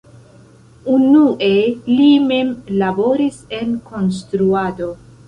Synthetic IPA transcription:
unuʔe̞lime̞mlabo̞ɾise̞nko̞ns̬t̪ɾuado̞

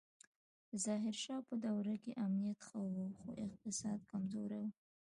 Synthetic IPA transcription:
əzɑɦɪɾʃɑpəd̪awɾakeʔamnijat̪xəwuxoʔɪq̚t̪ɪsɑd̪̚kamzoɾawu

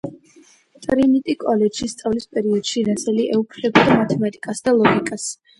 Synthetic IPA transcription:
t̪ʼɾinit̪ʼikʼɔlɛdʃist̪sʼavlispʼɛɾiɔd̪̥ʃiɾasɛliʔɛupʰlɛbid̪amat̪ʰɛmat̪ʼikʼasd̪alˠɔɡikʼas

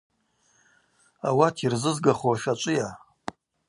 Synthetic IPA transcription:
awatʰirzɨzɡaχoaʃat͡ʃʷʼɪja

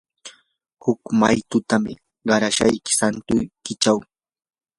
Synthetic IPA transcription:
hʊkmajt̪ʊt̪amɪ̰ | ɢɑɾaʃajkɪ̥sant̪ʊjkɪt͡ʃaw

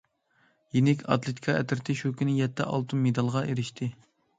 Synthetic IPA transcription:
jenɪkʲɑ̰t̪lˠet̪ʰi̥kʰɑɛt̪ʰɪɾt̪ʰɪʃukʲʰynɪjɛt̪ʰːɛ̰ʔɑ̰lˠt̪ʰumːed̪ɑlˠʁɑʔeɾɪʃt̪ʰɪ

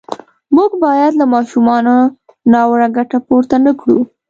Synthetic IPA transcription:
muɡbɑjad̪lamɑʃumɑno | nɑwɾaɡaʈapoɾt̪anakɽṵ

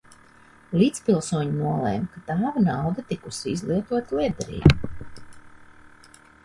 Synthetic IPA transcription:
liːt̪spilˠsuɔɲinuɔlˠɛ̰ːmkat̪aːvanawd̪at̪ikusiizlˠiɛt̪uɔt̪lˠiɛd̪ɛɾḭːbu

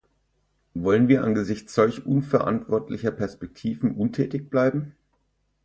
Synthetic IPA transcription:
vɔlənviːɐʔanɡəzɪçt͡sz̥ɔlçʔʊnfɛɐʔa̰ntv̥ɔɐtʰlɪçɐpʰɛɐspɛk̚tʰiːvn̩ʔʊntʰɛːtɪçb̥laɪbm̩

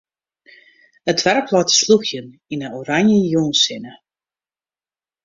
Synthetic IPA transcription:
ətʋɛrkʰlɔtsluxjəninəoɾaɲjəjoːnsɪnə

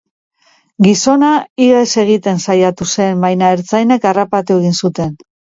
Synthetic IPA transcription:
ɡiso̞naiɣaese̞ɣ̞it̪e̞nsajat̪use̞mbajnaeɾt͡sajne̞karapat̪ue̞ɣinsut̪e̞n

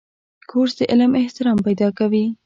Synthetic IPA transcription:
kʰoɾsd̪əʔɪlmɪht̪ɪɾɑmpajd̪ɑkawi

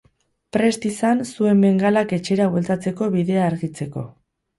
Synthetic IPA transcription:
pɾe̞st̪isansue̞mbe̞ŋɡalake̞t͡ʃe̞ɾaβwelt̪at͡se̞ko̞βiðe̞aːɾɣit͡se̞ko̞̰

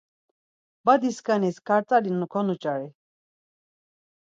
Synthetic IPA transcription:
bad̪iskʰaniskʰaɾt͡sʼalinukʰɔnut͡ʃʼaɾi

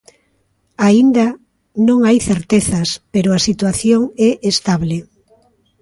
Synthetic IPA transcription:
aind̪a | nõŋajθeɾt̪eθɐspeɾʊasit̪waθjoŋɛʔest̪aβle

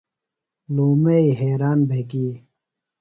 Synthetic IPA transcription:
luːmeiɦeːɾaːnbʱeɡiː

